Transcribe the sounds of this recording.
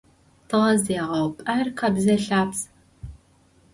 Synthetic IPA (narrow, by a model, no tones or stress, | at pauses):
tʰɨʁɐzeːʁɐwpʼɐrqɐbzɐɬaːps